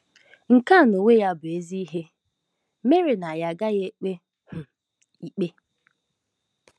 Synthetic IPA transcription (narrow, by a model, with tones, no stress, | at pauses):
ŋ̩˨ka˦˨no˨we˦ja˦bʊ˨e˦zi˦ɦe˦ | me˦ɾe˨na˨ja˨ɡa˦je˦k͡pe˦ | hʊ˨ | i˨k͡pe˦